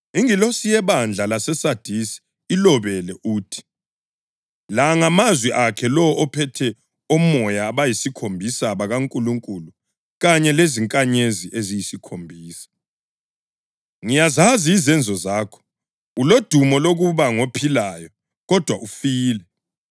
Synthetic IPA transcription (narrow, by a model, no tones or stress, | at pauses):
iŋilosijɛβand͡ɮʱalasɛsad̥ʱisi̥ː | lɔβɛlɛʔuːtʰi̥ | laŋamazwiʔakʰɛlɔʔɔpʰɛtʰɛ | omɔjaːβajisikʰombʱisaβaɣaŋkʼuluŋkʼulu | ɣaɲɛleziŋkʼaɲeziʔezijisikʰombʱiːsḁ | ŋijazaziːzɛnd͡zʱɔzaːkʰɔ̥ | ulod̥ʱumɔloɣuβaŋopʰilajɔ | ɣɔd̥ʱwaʔufiːlɛ